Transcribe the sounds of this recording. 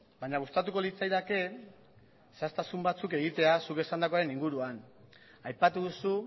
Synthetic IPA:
bajɲaɣust̪at̪uko̞lit͡sajðake̞ | sast̪asumbat͡suke̞ɣ̞it̪e̞asuke̞sand̪ako̞aɾe̞niŋɡuɾuan | ajpat̪uðusu

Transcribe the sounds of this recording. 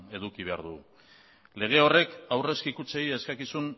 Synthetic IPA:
e̞ðukiβe̞a̰ɾðu | le̞ɣ̞eo̞re̞kawre̞skikut͡sejeskakisun

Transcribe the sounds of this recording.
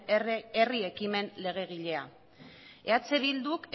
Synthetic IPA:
erie̞kime̞nle̞ɣ̞e̞ɣiʎe̞a̰ | e̞at͡se̞βild̪uke

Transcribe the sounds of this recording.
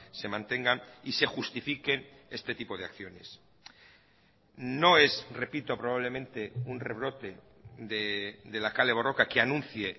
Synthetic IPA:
se̞mãnt̪e̞ŋɡanise̞xust̪ifike̞ne̞st̪e̞t̪ipo̞ð̞ea̰kθjo̞ne̞s | no̞e̞sre̞pit̪o̞pɾoβaβle̞mẽ̞nt̪e̞unre̞βɾo̞t̪e̞ | ðed̪e̞lakale̞β̞o̞ro̞kakeanũn̟θje̞

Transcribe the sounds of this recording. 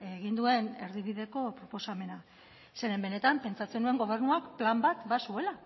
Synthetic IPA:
eɣ̞ind̪ue̞ne̞ɾðiβ̞iðe̞ko̞pɾo̞po̞same̞na | se̞ɾe̞mbe̞ne̞t̪ampe̞nt͡sat͡se̞nue̞ŋɡo̞β̞e̞ɾnuakplambat̪basue̞la

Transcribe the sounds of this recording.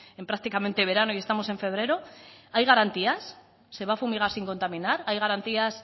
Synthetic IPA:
e̞mpɾak̚t̪ikament̪e̞βe̞ɾanoie̞st̪amo̞se̞ɱfe̞β̞ɾe̞ɾo̞ajɣaɾant̪iasː | e̞βafumiɣ̞aɾsiŋko̞nt̪amĩnaɾajɣaɾant̪ias

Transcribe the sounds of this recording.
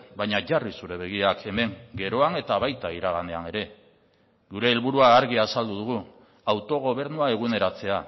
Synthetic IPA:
bajɲaʝarisuɾe̞β̞e̞ɣ̞iakʰe̞me̞ŋɡe̞ɾo̞ane̞t̪aβajt̪aiɾaɣ̞ane̞ane̞ɾe̞ | ɣuɾe̞ːlβuɾuaːɾɣiasald̪uð̞uɣ̞u | awt̪o̞ɣ̞o̞β̞e̞ɾnuae̞ɣ̞une̞ɾat͡se̞a

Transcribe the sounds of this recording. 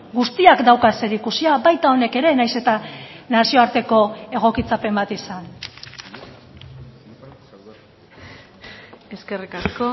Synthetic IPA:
ɡust̪iakd̪awkase̞ɾikusiabajt̪ao̞ne̞ke̞ɾe̞najse̞t̪anasio̞aɾt̪e̞ko̞e̞ɣ̞o̞kit͡sape̞mbat̪isan | e̞ske̞rikasko

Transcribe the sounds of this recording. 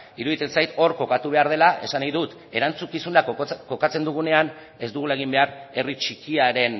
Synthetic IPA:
iɾuðit̪ensajt̪o̞ɾko̞kat̪uβ̞e̞aɾð̞e̞laʔe̞sanajðut̪ | e̞ɾant͡sukisunako̞kat͡se̞nd̪uɣ̞une̞an | e̞zd̪uɣ̞ulae̞ɣ̞imbe̞aɾe̞rit͡ʃikiaɾe̞n

